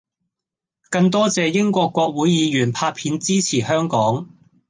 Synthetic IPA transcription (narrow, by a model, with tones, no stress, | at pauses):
kɐ˧ŋt̪ɔː˥t͡sɛː˨˧jɪ˥ŋkʷɔː˧kʷːwɔː˧k̚wuː˨˥jjiː˨˧jyː˨˩npʰaː˧t̚pʰiː˨˥nt͡siː˥t͡sʰiː˨˩hœː˥ŋkɔː˨˥ŋ